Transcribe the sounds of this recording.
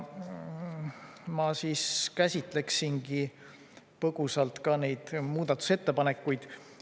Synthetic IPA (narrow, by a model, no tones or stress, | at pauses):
mɑsiːskæsʲit̪ˑle̞ksiŋɡi | pɤɡ̥usɑlt̪kɑne̞jd̪̥muːd̪̥ɑt̪ːˑu̥se̞t̪ːe̞pɑne̞kːujd̪̥